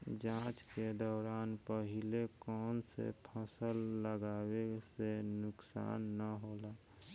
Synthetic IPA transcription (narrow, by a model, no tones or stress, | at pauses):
d͡ʒãːt͡ʃked̪ɔːɾaːnpəɦɪlekɔːnsḛpʰəsəlːəɡaːwesenʊksa̰ːnːəɦoːlaː